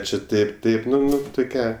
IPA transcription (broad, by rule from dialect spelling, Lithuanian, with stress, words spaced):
t͡ʃʲɛ ˈtɐɪp ˈtɐɪp ˈnʊ ˈnʊ tʊˈkʲæː